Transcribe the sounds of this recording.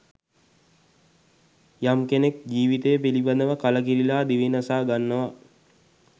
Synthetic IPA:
jamkenek̚d͡ʒiːʋit̪ejəpilibad̪əʋəkaləkiɾilaːd̪iʋinasaːɡanːəʋa

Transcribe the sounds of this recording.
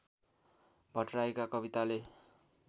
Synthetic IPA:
bʱʌʈraekakʌbit̪ale

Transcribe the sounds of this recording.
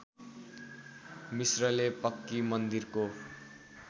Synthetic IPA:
misrʌlepʌkːimʌnd̪irko

